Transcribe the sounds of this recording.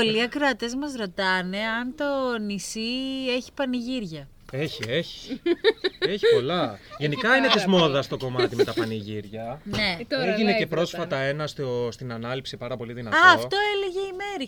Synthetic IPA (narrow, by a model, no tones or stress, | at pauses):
oliɐkɾoɐt̪e̞zmɐzɾo̞t̪ɐne̞ɐnt̪o̞nisie̞çi̥pɐniʝiɾʝɐ | eçieçi̥ | eçiipo̞lɐʝe̞nikɐinet̪ezmo̞ðɐst̪o̞ko̞mɐt̪imet̪ɐpɐniʝiɾʝɐneeʝinece̞pɾo̞sfɐt̪ɐe̞nɐst̪ost̪inɐnɐlipsipɐɾɐpo̞liðinɐ̰ɐːft̪o̞eleʝe̞imeɾi